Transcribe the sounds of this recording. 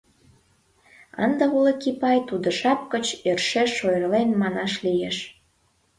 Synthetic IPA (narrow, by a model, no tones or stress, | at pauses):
ə̰nd̪əulekipɑjt̪ud̪ə̆ʃɑp̚kət͡ɕerʃeʃːojrlenmɑnɑʃlijeʃ